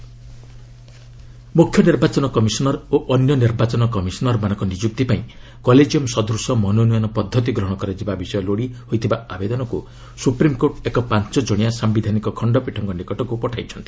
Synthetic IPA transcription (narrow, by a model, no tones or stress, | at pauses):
mukʰjɔniɾbat͡ʃɔnɔkɔmisɔnɔɾoʔɔnjɔniɾbat͡ʃɔnɔkɔmisɔnɔɾmañɔŋkɔnid͡ʒuk̚t̪ipaĩ | kɔled͡ʒijɔmsɔd̪uɾsɔmɔnonujɔnɔpɔd̪ʱːɔt̪iɡɾɔɦɽ̃kɔɾed͡ʒibabisɔjɔloɽihojt̪ʰibaabed̪ɔnɔku | supɾimkoʈekɔpant͡ʃɔd͡ʒɔɽ̃ijasambid̪ʱanikɔkʰɔɳɖɔpiʈʰɔŋɡɔnikɔʈɔkupɔʈʰajt͡ʃʰɔnt̪i̥